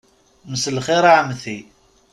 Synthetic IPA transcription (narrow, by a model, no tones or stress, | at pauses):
məsəlχiɾaʕmθi